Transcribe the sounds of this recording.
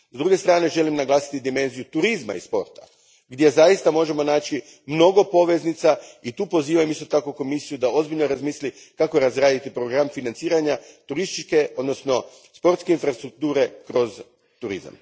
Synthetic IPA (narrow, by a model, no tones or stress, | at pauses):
zd̪ɾuːɡe̞st̪ɾaːne̞ʒe̞limnaɡlˠaːsi̥t̪id̪ime̞nzijut̪uɾizma̰ḭspo̞̰ɾt̪a̰ | ɡd̪ʲje̞zajist̪amo̞ʒe̞mo̞naːt͡ʃi | mno̞ɡo̞po̞ʋe̞znit̪sait̪uːpo̞ziːʋamist̪o̞t̪akoko̞misijud̪ao̞zbiʎnoɾazmiːsli | kakoɾazɾaːd̪it̪ipɾo̞ɡɾamfinant̪siːɾaɲat̪uɾist̪it͡ʃke̞ʔo̞d̪no̞sno̞ | spo̞ɾt̪skeinfɾast̪ɾuk̚t̪uːɾe̞kɾo̞z | t̪uɾḭza̰m